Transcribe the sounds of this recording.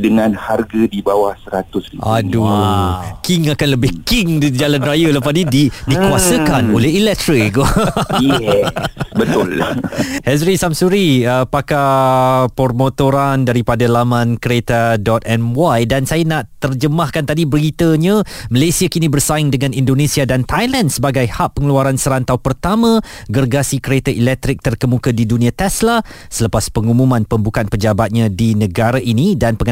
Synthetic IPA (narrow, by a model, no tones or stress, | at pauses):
dəŋãnharɡadibawahsəɾat̪ʊsiʔa̰du | kiŋakanləbɪhkɪŋdid͡ʒalanrajaləpadididikuasəkanolɛɦilɛt̪ɾɪkojɛbət̪ʊlhɛsɾisamsuɾiəpaka | pɔrmot̪oɾandaɾipadalamãnkəɾet̪adɔt̪ɛmwajdansajanaʔt̪ərd͡ʒəmahkant̪adibəɾit̪əɲãməlasiakinibərsaɪŋdəŋãnindonesiadant̪ajlandsəbaɡajhaʔpːəŋəluaɾansəɾant̪awpərt̪amã | ɡərɡasikəɾet̪aʔilɛk̚t̪ɾɪk̚t̪ərkəmũkədidunĩat̪ɛsla | sələpaspəŋumũmãnpəmbukanpəd͡ʒabat̪̚ɲãdinə̃ɡaɾaʔinidanpəŋ